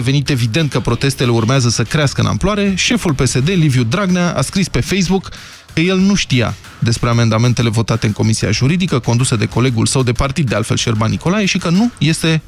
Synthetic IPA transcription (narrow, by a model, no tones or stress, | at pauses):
evenit̪e̞vid̪e̞nt̪̚kəpɾo̞t̪e̞st̪e̞le̞urmeazəsəkɾeaskəɨ̰na̰mploaɾe̞ʃe̞fulpe̞se̞d̪e̞livjud̪ɾaɡnaʔa̰skɾispe̞fe̞js̬bukː | əje̞lnuʃt̪ija̰ | d̪e̞spɾe̞ame̞nd̪ame̞nt̪e̞le̞vo̞t̪at̪e̞ɨŋko̞misia̰ʒuɾid̪ikəko̞nd̪usəd̪e̞ko̞le̞ɡulsəwd̪e̞part̪id̪ːealt̪fe̞lʃerbanːiko̞lajeʃikənuje̞st̪e̞